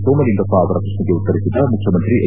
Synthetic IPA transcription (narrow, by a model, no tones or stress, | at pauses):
soːmɐliŋɡɐpːaːʋɐɾɐkɾɐʂniɡeut̪ːɐɾisid̪ːɐmukʰjɐmɐnt̪ɾiʔe